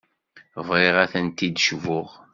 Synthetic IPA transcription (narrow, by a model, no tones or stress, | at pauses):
vʁeʁæθænt̪id̪ʃvʊʁ